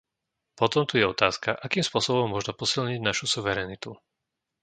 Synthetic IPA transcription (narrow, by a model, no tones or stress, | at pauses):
pɔt̪ɔmt̪ujɛɔt̪aːskaʔakiːmspʊɔsɔbɔmːʊɔʒnɔpɔsilɲiɟnaʃusuʋɛɾɛːnit̪u